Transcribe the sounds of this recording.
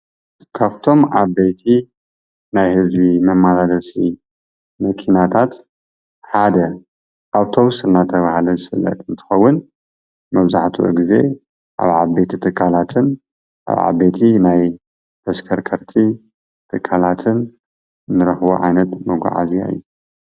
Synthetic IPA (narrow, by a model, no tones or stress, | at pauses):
kʰaft̪ʰo̞mʔaβbejt̪ʰi | najhɨzbimɐmːalalɐsi | mɐkʰinat̪ʰat̪ | ħad̪ɐ | ʔaβt̪ʰo̞βsɨlnat̪ʰɐβahalɐzɨfɨlːɐ̰t̪ʼɨnt̪ʰɨ̥xɐwːʊn | mɐβzaħt̪ʰṵʔɨ̰ɡize̞̰ | ʔa̰βʕaβbejt̪ʰit̪ʰɨkʼːalat̪ʰɨn | ʔa̰βʕa̰βet̪ʰinaj | t̪ʰɐskʰɐɾkʰɐɾt̪ʰi | t̪ʰɨkʼʰːalat̪ʰɨn | ɨnːɨɾɐxβo̰ʕa̰jnɐt̪mɨɡʷa̰ʕa̰zija̰ɨ̰jːu